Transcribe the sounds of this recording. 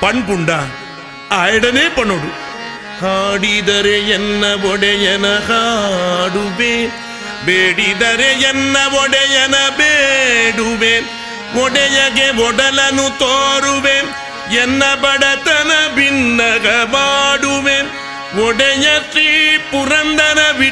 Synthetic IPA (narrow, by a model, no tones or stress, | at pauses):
pɐɳpuɳɖaːn | aːjɐɽɐneːpɐɳoɽu | haːɽid̪ɐɾejɛnːɐʋɔɽejɐnɐha | ɽuʋeː | beːɽid̪ɐɾeɛnːɐʋɔɽejɐnɐbeɽuʋeːm | ɔɽejɐɣeʋɔɽɐlɐnut̪oːɾuʋeːm | ɛnːɐbɐɽɐt̪ɐnɐbinːɐɣɐmaːɽuʋeːm | ɔɽɐjɐt̪ɾipuɾɐnd̪ɐnɐbi